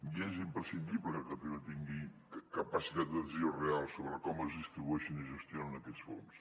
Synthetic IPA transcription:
iezimpɾəsind̪ibləkət̪eβət̪iŋɡi | kəpəsit̪at̪̚d̪əziorealˠsoβɾəkɔməzðist̪ɾiβuɛʃiniʒəst̪jonənəkɛsfo̰ns

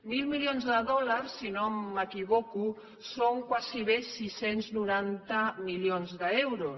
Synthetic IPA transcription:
milmilijonzðəðɔlaɾsːinoməkiβɔku | soŋkwasiβesisenznuɾant̪amiljonzðəɛwɾu

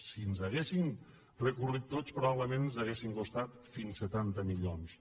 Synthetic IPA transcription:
sinzaɣesim | rəkurit̪ːot͡spɾuaβləmenzzaɣesiŋkust̪at̪finsət̪ant̪əmilons

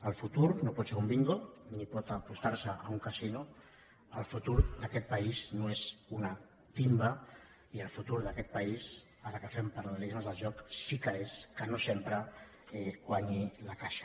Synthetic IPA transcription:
əlˠfut̪uɾnopɔt̪seɾumbiŋɡonipɔt̪apust̪aɾsəʔauŋkasinu | əlˠfut̪uɾðəkɛt̪̚paiznoezuna | t̪imba | iəlˠfut̪uɾðəkɛt̪̚pais | aɾəkəfempəɾaβəlizməzðəlʒɔksikəeskənosempɾə | ekwaɲilakaʃḁ

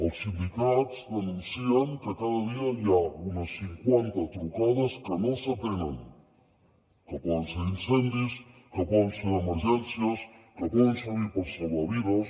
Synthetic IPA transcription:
olsind̪ikat̪zd̪enũnsiaŋkekaðaðiajaunasiŋkwent̪at̪ɾukaðaskenõset̪enaŋ | kepwɔðenseɾinsend̪is | kepwɔðenseɾemeɾʒensjaskepwɛðensuβiɾpoɾsoβaβiðas

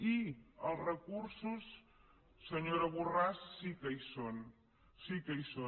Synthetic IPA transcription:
iəlˠzrəkuɾsusː | əɲoɾəβurasːikəjson | sikəijso

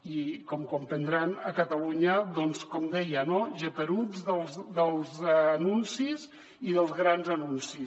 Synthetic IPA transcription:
ikɔmkɔmpənd̪ɾanəkət̪əluɲəðɔnskɔmd̪ɛjənoʒepəɾud͡zðəlˠzðəlˠzːnunsiz | iðəlˠzɣɾanzənunsi

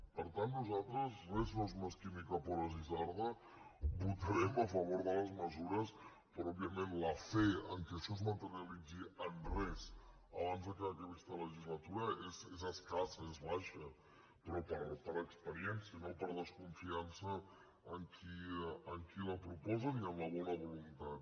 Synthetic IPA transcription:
pəɾt̪anːuzat̪ɾəzrɛznozumeskimikəpɔɾəzizaɾðə | but̪əɾɛməfəβ̞oɾðələzməzuɾəs | pəɾɔɔbiəmenləfɛəŋkɛəʃɔzmət̪əɾiəlid͡ziənrɛs | əβ̞anzðəkeəkəβist̪ələʒizlət̪uɾəʔezezəskasəezβaʃə | pəɾɔpəɾpəɾəkspəɾiɛnsiənopəɾðəskuɱfiansəː | ŋkʰiəŋkiləpɾupɔzəniəmləβ̞ɔnəβulunt̪at̪̚

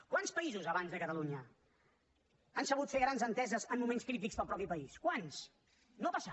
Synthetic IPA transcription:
kwanspəizuzəβ̞anzðəkət̪əluɲə | ansəβut̪feɣɾanzənt̪ɛzəzəmːumẽnskɾit̪̬ikspəlˠpɾɔpipəiskwans | nopasa

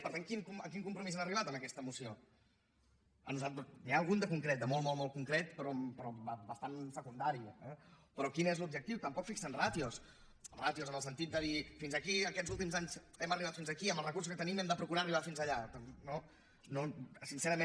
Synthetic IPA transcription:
pəɾt̪aŋkinkuməŋkiŋkumpɾumizɛnəriβat̪əməkɛst̪əmusio | ə̰nuzalt̪ɾəsniaːlˠɣund̪əkuŋkɾeɛt̪̚d̪əmɔlˠmɔlˠmɔlˠkuŋkɾɛt̪pɾɔpɾɔbəbəst̪ansəkund̪aɾiəɛpɾɔkinezlubʒək̚t̪iwt̪əmpɔkfiksənrat̪jos | rat̪jozənəlˠsənt̪it̪d̪əðifinzəkiəkɛzulˠt̪̬imzaɲzɛməriβat̪finzəkiəməlˠrəkuɾrs̬u̥skət̪ənimɛmd̪əpɾukuɾariβafinzəʎat̪əmpno | nosinsɛɾəmẽ

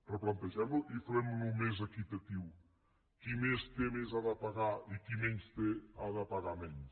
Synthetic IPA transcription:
rɾəplãnt̪eʒɛmbluʔifɐlɛmunumezɐkit̪ɐt̪iw | kimest̪emezaðɐpaɣaikimeɲst̪eaðapaɣamɛɲs

